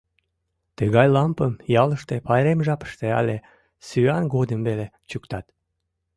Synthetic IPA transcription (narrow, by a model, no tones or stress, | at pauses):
t̪əɣɑjlɑmpəmjɑləʃt̪epɑjɾemʒɑpə̥ʃt̪eɑ̰lʲe | syɑnɡod̪əmβelet͡ɕukt̪ɑt̪